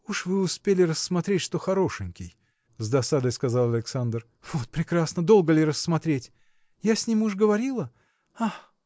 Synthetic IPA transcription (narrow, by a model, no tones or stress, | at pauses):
uʂvɨʊspʲelʲɪrəsːmɐt̪ɾʲetʲʂt̪o̞xɐɾo̞ʂɨnʲkʲɪj | zd̪ɐsad̪əjskɐzalˠɐlʲɪksand̪r | v̥o̞t̪̚pɾʲɪkɾasnəd̪o̞lˠɡəlʲɪɾəsːmɐt̪ɾʲetʲ | jasʲnʲimuʐɡəvɐɾʲilˠə | ax